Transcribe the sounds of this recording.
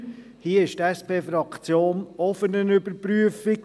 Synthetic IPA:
hiːəɪʃtɛspʰeːfɾɑkʰt͡sjoːnɔfənənʏbəɾpɾyəfɪk

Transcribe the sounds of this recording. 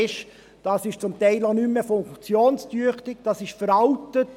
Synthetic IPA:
ɪʃ | d̥ɑːsɪʃt͡sʊmtɛɪlonymːəfʊŋkt͡sjoːnstyəχtɪk̚d̥ɑːsɪʃfəɾɑltət

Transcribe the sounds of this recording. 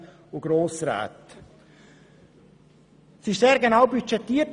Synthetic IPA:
ʊɡ̥ɾoːsɾa̰ːt̪ | sɪʃseːɾɡenaʊbyt͡ʃɛtiːt

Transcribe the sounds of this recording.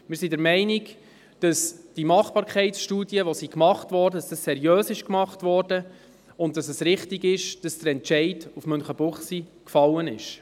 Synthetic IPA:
mɪɾsidɛɾmɛɪnɪk | d̥ɑsd̥imɑχb̥ɑːɾkχɛɪtsʃtuːdiəʋosikmɑχtvɔːɾdədɑsd̥ɑssɛɾjøːsɪʃkmɑχtʋɔːɾd̥ə | ʊntdɑsɛsɾɪχtiɡɪʃd̥ɑsd̥əɾɛntt͡ʃɛɪd̥ufmœnχəbʊχsikfɑlːənɪʃ

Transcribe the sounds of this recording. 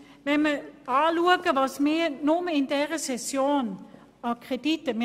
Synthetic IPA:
ʋɛməaːluəkəʋɑsmeːnoməɪndɛʁəsɛsjoːn | ɑkʁeditəm

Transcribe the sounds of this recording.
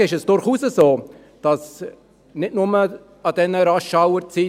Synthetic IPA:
ɪʃɛsd̥ʊɾχuːsəzoː | d̥ɑs | nɪtnʊmə | ɑd̥ɛnəɾɑʃawəɾt͡siː

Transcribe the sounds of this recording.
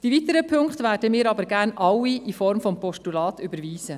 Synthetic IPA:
d̥iviːt̪əɾəpʰɵŋkχtʋæːɾdəmɪːɾɑbəɾɡæːɾnʔɑwiʔifɔɾmfɔmpɔʃtulɑːt̪ʏbəɾviːz̥ə

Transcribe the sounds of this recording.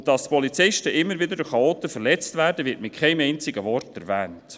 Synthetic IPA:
d̥ɑstpɔlit͡sɪʃtəʔɪmːəɾvɪd̪əɾdʊχɑoːt̪əfəɾlɛt͡stvæːɾdəvɪɾtmɪt̚kʰχɛɪmɛɪnt͡sɪɡəvɔrtɛɾvɛːnt

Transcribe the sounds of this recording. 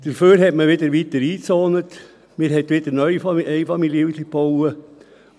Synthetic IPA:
d̪̥əɾføːɾhɛtməʋɪdəɾʋit̪əɾiːt͡soːnət | mɪːɾɦɛtʋɪd̥əɾnœʏjfɛɪfɑmiljəʉslipowə

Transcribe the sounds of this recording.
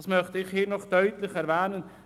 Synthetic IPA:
smœχtəɪχhiːnɔχd̥œʏtlɪχɛɾvɛːnən

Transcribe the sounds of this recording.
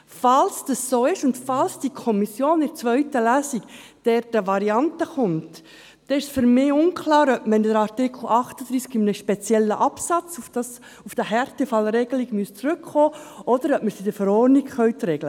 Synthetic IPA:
fɑlsd̥ɑsːoːɪʃʊndfɑlsd̥ikʰɔmisjoːnɪɾt͡sʋœʏtəlæːsikd̥ɛɾtəʋɑɾiɑntəχʊmt | dɛɪʃsfʏɾmɪːʊnkʰlɑːɾœpməndəɾɑɾtɪkʰl̩ʔɑχtəd̥̪ɾiːskɪmnəʃpɛt͡sjɛlːəʔɑpsɑt͡su̥s | ufd̥əɦɛɾtɛfɑlɾɛɡəliɡmyəst͡sɾʉkχoːɔdəɾœp̚məɾsid̥əfəɾɔɾniɡχœɥtrɛɡlə

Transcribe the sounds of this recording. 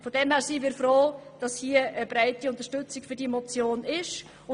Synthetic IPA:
fɔd̥ɛmhæːɾsiviːɾfɾoːd̥ɑshiːəʔəbɾaɪtiʊnt̪əʃtʏt͡sɪkfʏɾdiɛmɔt͡sjoːnɪʃ | ʊ

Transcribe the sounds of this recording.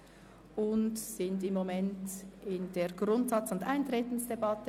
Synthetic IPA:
ʊntsɪndɪmːomɛntɪndeːɡʁʊntsɑt͡sʊndʔaɪntɾeːtn̩sd̥ebɑtə

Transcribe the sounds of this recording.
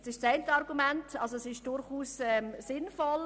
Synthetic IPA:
sɪʃsaɪntəɑɾɡumɛntʰɑlsoɛsɪʃd̥ʊɾχuːsɛmsɪnfɔl

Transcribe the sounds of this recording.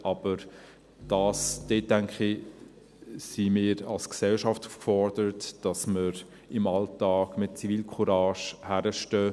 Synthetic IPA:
ʔɑb̥əɾ | d̥ɑːsd̥eːt̚ːæŋkχɪ | simɪːɾɑlsksɛlʃɑftufkfɔɾd̥əɾətd̥ɑsməɾ | ɪmɑltɑːɡ̥mɪt̚t͡siviːlkʰχuɾɑːʃhæɾəʃtœː

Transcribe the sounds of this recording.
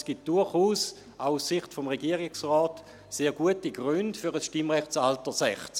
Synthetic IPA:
sɡ̥it̚d̥ʊɐχuːs | aʊussiχtfomʁeɡiəʁɪksʁɔːt | seːɡuətiɡʁyndfyʁəsʃtimʁɛχtsaltəsɛχt͡s

